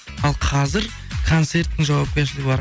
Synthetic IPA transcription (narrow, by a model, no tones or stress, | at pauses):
ɑlˠqʰɑzɪɾ | kʰo̞nt̪se̞ɾt̪ːɪŋʒɑwɑp̚kʲeɾʃɪlɪɡʲɪbɑɾ